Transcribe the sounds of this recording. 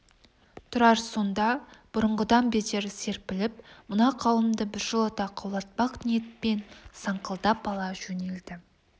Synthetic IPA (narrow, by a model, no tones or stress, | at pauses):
t̪ʰʊɾɑɾso̞nd̪ɑb̥ʊɾəɴʁəd̪ɑmbet̪e̞ɾɪse̞ɾpɪlɪpmʊnɑqʰɑwˠəmd̪əbɪɾʒəlˠɑt̪ɑqʰɑwlˠɑt̪̚pɑqnije̞t̪̚pe̞nsɑɴqʰəlˠd̪ɑp̚bɑlˠɑʒɵne̞ld̪ɪ